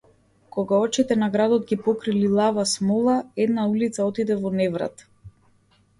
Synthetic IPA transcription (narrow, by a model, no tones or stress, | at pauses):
kɔɡaɔt͡ʃit̪ɛnaɡɾad̪ɔd̪ɡipɔkɾililˠavasmɔlˠaɛd̪naulit̪saɔt̪id̪ɛvɔnɛvɾa̰t̪